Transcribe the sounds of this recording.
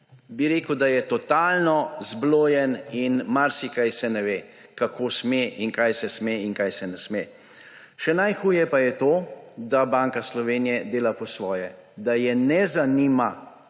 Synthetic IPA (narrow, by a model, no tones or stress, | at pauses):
biɾeːkəwd̪ajɛt̪ɔt̪aːlnɔzbloːjɛninmaɾsikajsɛnɛʋeː | kakoːsmeʔiŋkajsɛsmeiŋkajsɛnɛsme | ʃɛnajxuːjɛpajɛt̪oːd̪abaŋkaslɔʋeːnijɛd̪eːlapɔsʋɔːjɛ | d̪ajɛnɛzaniːma